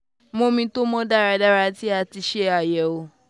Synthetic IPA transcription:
mo˨˧mĩ˧to˦mɔ̃˦da˦˨ɾa˧da˦ɾa˧ti˦a˧ti˧ʃe˦a˦˨jɛ˨o˧

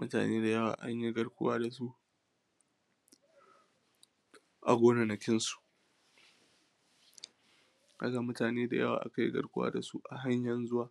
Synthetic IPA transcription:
mʊ˦ta̰ː˨neː˦da˨jɐ˦wa̰ː˨ʔa˦ɲji˦ɡɐ˦ɽkʷʊ̰˦waː˦da˨s̬u˦ | ʔa˨ɡʷoː˦na˨nɐ˨kʲɪ˦nsu̥˨ʔ | ka˦ɡa˨mʊ˦taː˨neː˦da˨jɐ˦wa̰ː˨ʔa̰˨ka˦jḭ˦ɡɐ̰˦ɽkʷʊ˦a̰ː˦da˨su˦ʔa˨ɦa˦ɲjɐ˨nzʊ˦waː˨

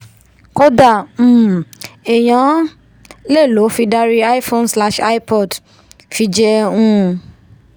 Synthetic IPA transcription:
kɔ˦da˦˨˦e˨j̃ã˨˦ | le˦˨lo˨˦fi˧da˧ɾi˧a˦i˦fõ˧nsla˧ʃa˦i˦pɔ˦˨d | fi˧d͡ʒɛ˧ũ˦˧

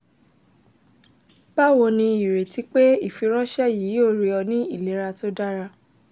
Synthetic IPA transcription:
b̥a˦˨wo˧nĩ˧i˨ɾe˨ti˨˦k͡pe˦i˦˨fi˨˧ɾ̃ã˦ʃɛ˦jiː˨˦jo˦˨ɾi˧˦ɔ˧nĩ˦i˦˨le˨˦ɾa˧to˦da˦ɾa˧

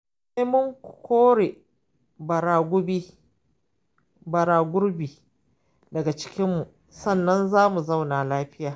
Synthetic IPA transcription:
seː˦mʊ˦ŋkʷkʷoː˦ɽe˨ | bɐ˨ɾaː˨ɡʷʊ˦biː˦ | bɐ˨ɾaː˨ɡʷʊ˦ɾbiː˨ | dɐ˨ɡa˨t͡ʃɪ̥˦kʲɪ˦mːu˨ʔ | sɐ˦˨nːɐ˦nzaː˦mu˨zɐ˦˨wnaː˨laː˦ɸɪ˦jaː˨

